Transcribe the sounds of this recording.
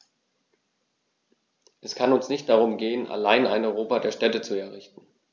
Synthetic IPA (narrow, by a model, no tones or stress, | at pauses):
ʔɛskʰanʊnsnɪçt̚d̥aʁʊmɡeːənʔa̰laɪna̰ɪnɔʏʁoːpadeːɐʃtɛtət͡suɛɐʁɪçtn̩